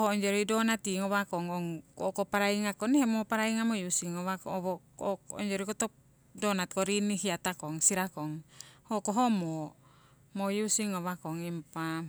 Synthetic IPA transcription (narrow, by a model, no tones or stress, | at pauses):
ohooɲd͡ʒoɾidonat̪iŋoβakoŋoŋkokopaɾaiŋakonehemopaɾaiŋamojusiŋoβakːβoo̰ɲd͡ʒoɾikot̪o | donat̪koɾinihiat̪akoŋsiɾakoŋhokoɦomo | mojusiŋoβakoŋimpa